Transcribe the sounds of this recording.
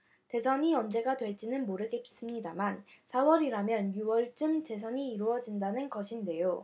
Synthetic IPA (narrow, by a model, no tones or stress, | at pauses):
te̞sʰʌɲiʌnd͡ʑe̞ɡadwe̞ɭt͡ɕ͈inɯnmoɾɯɡe̞s͈ɯmɲidamansʰawʌɾiɾamjʌnjuwʌɭt͡ɕ͈ɯmte̞s̬ʰʌɲiːɾuʌd͡ʑindanɯnɡʌɕʰinde̞jo